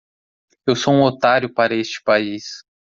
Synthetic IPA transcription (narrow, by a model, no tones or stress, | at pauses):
ewsoũot̪aɾjʊpaɾɐest͡ʃɪ̥pais